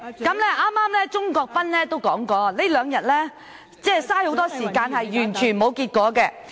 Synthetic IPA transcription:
kɐ˨˥mlɛː˥ʔaː˥maː˥mlɛː˥t͡ʃʊ˥ŋkɔː˧k̚pɐ˥nlɛː˥t̪o˥wkɔː˨˥ŋkɔː˧le˥lœː˨˧ŋjɐ˨t̚lɛː˥ | t͡sɛː˥˩saː˥jho˨˥wt̪ɔː˥siː˨˩kaː˧nhɐ˨jjyː˨˩nt͡ʃʰyː˨˩nmo˨˧wkiː˧t̚kʷɔː˨˥kɛː˧

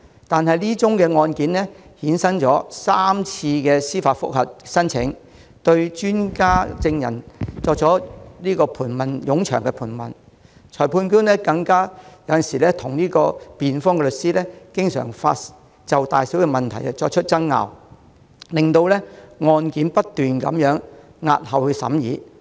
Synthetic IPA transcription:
t̪aː˨nɦɐ˨jliː˥t͡sʊ˥ŋkɛː˧ŋɔː˧nkiː˨˥nlɛ˥hiː˨˥nsɐ˥ŋt͡ʃɔː˨˥saː˥mt͡sʰiː˧kɛː˧siː˥faː˧t̚fʊ̰˥k̚hɐ˨t̚sɐ˥nt͡sʰɪ̰˨˥ŋ | t̪ɵ˧ɥt͡ʃyː˥nkaː˥t͡sɪ˧ŋjɐ̰˨˩nt͡sɔː˧k̚t͡sɔː˨˥liː˥kɔː˧pʰuː˨˩nmɐ˨njʊ˨˥ŋt͡ʃʰœ̰ː˨˩ŋkɛ˧pʰuː˨˩nmɐ̰˨˩n | t͡ʃʰɔː˨˩jpʰuː˧nkyː˥nnɛː˥kɐ˧ŋkaː˥jɐ˨˥wjɐ˨nsiː˨˩lɛː˥t̪ʰʊ˨˩ŋliː˥kɔː˧piː˨nfɔː˥ŋkɛ˧lɵ˨t̚siː˥lɛː˥kɪ˥ŋsœ̰ː˨˩ŋfa̰ː˧t | t͡sɐ˨wt̪aː˨jsiː˨˥wkɛ˧mɐ˨nt̪ʰɐ˨˩jɐ˧t͡sɔː˧k̚t͡ʃʰɵ˥t̚t͡sɐ˥ŋŋa̰ː˨w | lɪ˨ŋt̪o˧wlɛː˥ŋɔː˧nkiː˨˥npɐ˥t̚t̪ːyː˨nkɐ̰˨˥mjœː˨˥ŋ | ŋa̰ː˧t̚hɐ˨whɵ˧sɐ̰˨˥mjiː˨˥

